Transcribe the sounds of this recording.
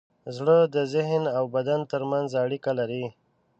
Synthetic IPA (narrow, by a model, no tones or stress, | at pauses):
zɽəd̪əzɪɦnawbad̪ant̪əɾmanzaɽikalaɾi